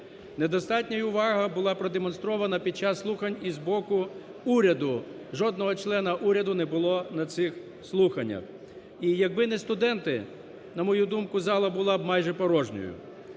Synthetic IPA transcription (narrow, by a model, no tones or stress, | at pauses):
nɛd̪ɔst̪ɑtʲnʲɐjʊʋɑɦɐbʊlˠɑpɾɔd̪emɔnst̪ɾɔʋɐnɐpʲid̪̚t͡ʃɑsːlˠuxɐnʲizbɔkʊ | uɾʲɐd̪ʊ | ʒɔd̪nɔɦɔt͡ʃlˠɛnɐʔuɾʲɐd̪ʊnɛbʊlˠɔnɐt̪sɪx | slˠuxɐnʲːɐ̰x | ijɐɡ̚bɪnɛst̪ʊd̪ɛnt̪ɪ | nɐmɔjud̪umkʊzɑlˠɐbʊlˠɑbmɑjʒɛpɔɾɔʒnʲɔ̰jʊ̰